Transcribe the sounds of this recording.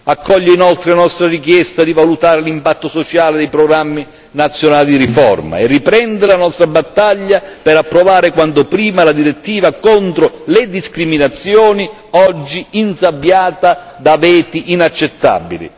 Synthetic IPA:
akʰːɔʎːeinɔlt̪ɾɪlanɔst̪ɾarik̬jɛst̪ad̪ivalut̪aːɾɪlimpat̪ːosot͡ʃaːlɪd̪ɛjpɾoɡɾamːi | nat̪sːjonaːlid̪iɾifɔ̰rma̰ɛrːipɾɛnd̪ɪɾlanɔst̪ɾabat̪ːaʎːapɛɾapːɾovaːɾɪkwant̪ʊpɾiːmalad̪iɾet̪ːiːvakont̪ɾoled̪iskɾiminat̪sːjɔːni | ɔd͡ʒːiinsabːjaːt̪a | d̪avɛːt̪iʔinat͡ʃːet̪ːa̰bḭlḭ

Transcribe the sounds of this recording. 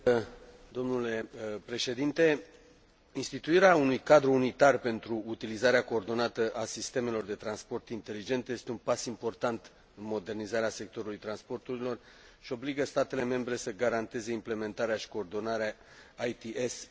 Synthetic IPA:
d̪o̞mnule̞pɾe̞ʃe̞d̪int̪e̞ | inst̪it̪uiɾeaunujkad̪ɾuːnit̪arpe̞nt̪ɾuːt̪ilizaɾeako̞ːrd̪o̞nat̪əʔasist̪e̞me̞lo̞rd̪e̞t̪ɾanspo̞rt̪int̪e̞lid͡ʒe̞nt̪je̞st̪eunpasimpo̞rt̪ant̪ | ɨnmo̞d̪e̞rnizaɾease̞k̚t̪o̞ɾulujt̪ɾanspo̞rt̪uɾilo̞r | ʃio̞bliɡəst̪at̪e̞le̞me̞mbɾe̞səɡaɾant̪e̞ze̞imple̞me̞nt̪aɾeaʃi̥ko̞ːrd̪o̞naɾeaː | jt̪iʔes

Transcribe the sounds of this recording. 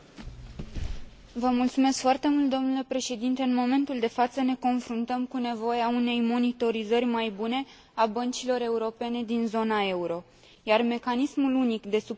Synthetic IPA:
vəmult̪sume̞skfoart̪e̞mult̪̚d̪o̞mnule̞pɾe̞ʃe̞d̪int̪e̞ɨnmo̞me̞nt̪uld̪e̞fat̪səne̞ko̞nfɾunt̪əmkune̞vo̞jeaune̞jmo̞nit̪o̞ɾizərʲmajbune̞ | abənt͡ʃilo̞ɾe̞uɾo̞pe̞ne̞d̪inzo̞nae̞uɾo̞ | jarme̞kanismulunikd̪e̞su

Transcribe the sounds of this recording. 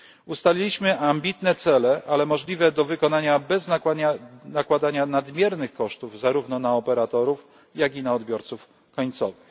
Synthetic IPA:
ust̪alʲilʲiɕmɘʔambʲit̪nɛt̪sɛlɛʔalɛmɔʐlʲivɛd̪ɔvɘkɔnaɲabɛz | nakwad̪aɲanad̪mʲjɛɾnɘxkɔʂt̪uvzaɾuvnɔnaɔpɛɾat̪ɔɾuf | jaɡʲinaɔd̪bʲjɔɾt̪suf | kɔɲt̪sɔvɘx

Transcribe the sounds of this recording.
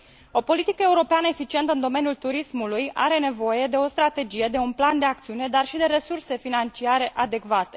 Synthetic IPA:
o̞po̞lit̪ikəe̞uɾo̞peanəefit͡ʃiet̪əɨnd̪o̞me̞nijult̪uɾismuluja̰ɾe̞ne̞vo̞je̞d̪e̞o̞st̪ɾat̪e̞d͡ʒije̞d̪e̞unpland̪e̞ak̚t̪siune̞d̪arʃid̪e̞ɾe̞surse̞finant͡ʃiaɾe̞ʔad̪e̞kvat̪e

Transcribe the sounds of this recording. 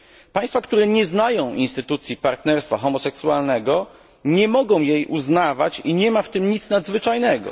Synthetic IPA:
paj̃st̪fakt̪uɾɛɲɛznajɔ̃w̃ʔinst̪ɘt̪ut̪sʲjipaɾt̪nɛɾst̪faxɔmɔsɛksualnɛɡɔ | ɲɛmɔɡɔ̃w̃jejʔuznavat͡ɕiɲɛmaft̪ɘmɲit̪snad̪zvɘt͡ʂajnɛɡɔ̰

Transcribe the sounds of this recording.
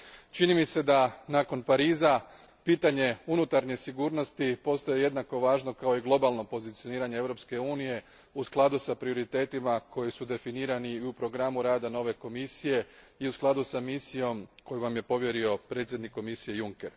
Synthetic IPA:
t͡ʃinimise̞d̪anaːko̞npaɾiːza | piːt̪aɲe̞unut̪aɾɲe̞siɡuːɾno̞st̪ipo̞st̪ojeje̞d̪nako̞ʋaːʒno̞kao̞iɡlˠo̞balˠno̞po̞zit̪sijo̞niːɾaɲeeʋɾopske̞uːnije̞ | usklˠad̪usapɾio̞ɾit̪e̞ːt̪imako̞jisud̪e̞finiːɾaniiupɾo̞ɡɾamuɾaːd̪ano̞ʋe̞ko̞misije̞ | iusklˠad̪usamisijo̞mko̞juʋamje̞po̞ʋje̞ɾio̞pɾe̞t̪sʲje̞d̪nikːo̞misije̞juŋke̞ɾ

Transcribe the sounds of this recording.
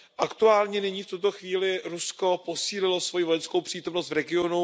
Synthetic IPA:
ʔakt̪uaːlɲɛnɪɲiːft̪ut̪oxviːlɪɾusko̞po̞siːlɪlo̞svo̞jivo̞jɛnsko̞wpr̥iːt̪o̞mnost̪vɾɛɡɪonu

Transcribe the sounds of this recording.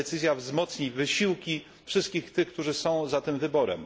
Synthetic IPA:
ɛt̪sɘzʲjavzmɔt̪sɲivɘɕiwkʲi | fʂɘst̪̚kʲixt̪ɘxk̚t̪uʐɘsɔ̃w̃zat̪ɘmvɘbɔɾɛ̰m

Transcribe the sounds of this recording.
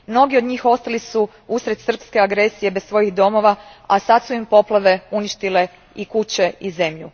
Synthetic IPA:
mno̞ɡiod̪ɲiːxo̞st̪alisu | usɾe̞d̪sr̩pske̞aɡɾe̞sije̞besʋo̞jiɣd̪o̞mo̞ʋaasat̪suimpo̞plˠaʋe̞uniʃt̪ile̞ | ikut͡ɕe̞ize̞mʎu

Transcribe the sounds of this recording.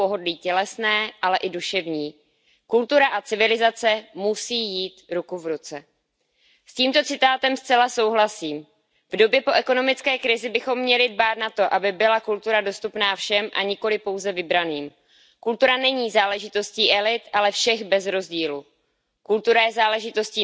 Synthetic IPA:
po̞ɦo̞dliːcɛlɛsnɛːʔalɛʔɪduʃɛvɲiː | kult̪uɾaʔat͡sɪvɪlɪzat͡sɛmusiːjiːt̪ɾukuvɾut͡sɛ | sciːmt̪o̞t͡sɪt̪aːt̪ɛmst͡sɛlaso̞wɦlasiːm | vdo̞bjɛpo̞ʔɛko̞no̞mɪt͡skɛːkɾɪzɪbɪxo̞mːɲɛlɪdbaːt̪nat̪o̞ʔabɪbɪlakult̪uɾado̞st̪upnaːfʃɛmʔa̰ɲɪko̞lɪpo̞wzɛvɪbɾaniːm | kult̪uɾanɛɲiːzaːlɛʒɪt̪o̞sciːʔɛlɪt̪ʔalɛfʃɛɣbɛzɾo̞zɟiːlu | kult̪uɾajɛzaːlɛʒɪt̪o̞sciː

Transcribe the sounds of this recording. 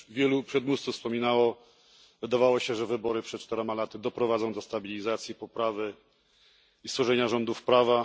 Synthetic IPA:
vʲjɛlupʂɛd̪must̪sufspɔmʲinawɔ | vɘd̪avawɔɕɛʐɛvɘbɔɾɘpʂɛt̪̚t͡ʂt̪ɛɾɔmalat̪ɘd̪ɔpɾɔvad̪zɔ̃w̃d̪ɔst̪abʲilʲizat̪sʲjipɔpɾavɘ | ist̪fɔʐɛɲaʐɔnd̪ufpɾava

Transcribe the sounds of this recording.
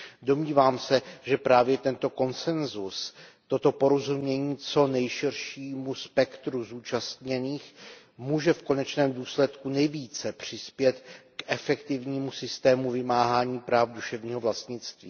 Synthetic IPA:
do̞mɲiːvaːmsɛʒɛpɾaːvjɛt̪ɛnt̪o̞ko̞nsɛnzust̪o̞t̪o̞po̞ɾozumɲɛɲiːt͡so̞nɛjʃɪrʃiːmuspɛkt̪ɾuzuːt͡ʃast̪ɲɛniːx | muːʒɛfko̞nɛt͡ʃnɛːmduːslɛt̪kunɛjviːt͡sɛpr̝̥ɪspjɛt̪kʔɛfɛkt̪ɪvɲiːmusɪst̪ɛːmuvɪmaːɦaːɲiːpɾaːfduʃɛvɲiːɦovlast̪ɲɪt͡st̪vḭː

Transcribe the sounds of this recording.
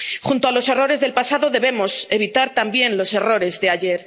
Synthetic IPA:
χunt̪oalo̞se̞ro̞ɾe̞zðe̞lpasaðo̞ðe̞βe̞mo̞se̞β̞it̪aɾt̪ambje̞nlo̞se̞ro̞ɾe̞zðe̞aʝe̞ɾ

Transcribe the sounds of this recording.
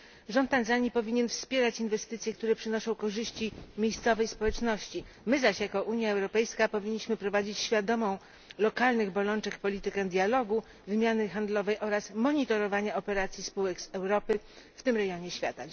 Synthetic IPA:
ʐɔnt̪ːanzaɲipɔvʲiɲɛnfspʲjɛɾat͡ɕinvɛst̪ɘt̪sʲjɛk̚t̪uɾɛpʂɘnɔʂɔ̃w̃kɔʐɘɕt͡ɕimʲjejst̪sɔvɛjspɔwɛt͡ʂnɔɕt͡ɕi | mɘzaɕjakɔʔuɲjaɛwɾɔpɛjskapɔvʲiɲːiɕmɘpɾɔvad͡ʑit͡ɕɕfʲjad̪ɔmɔ̃w̃ | lɔkalnɘɣbɔlɔnt͡ʂɛkpɔlʲit̪ɘkɛd̪ʲjalɔɡu | vɘmʲjanɘxand̪lɔvɛjʔɔɾasmɔɲit̪ɔɾɔvaɲaɔpɛɾat̪sʲjispuwɛksɛwɾɔpɘ | ft̪ɘmɾɛjɔɲɛɕfʲja̰t̪a

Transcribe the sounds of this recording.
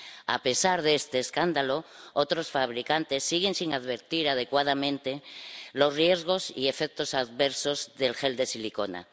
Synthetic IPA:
a̰pe̞saɾð̞eest̪eːskand̪aloot̪ɾo̞sfaβ̞ɾikant̪e̞sːiɣ̞e̞nsiŋaðβe̞ɾt̪iɾaðe̞kwað̞amẽnt̪e̞lo̞zrje̞zɣ̞o̞sḭe̞fek̚t̪o̞saðβeɾso̞zðe̞lxe̞ld̪e̞siliko̞na̰

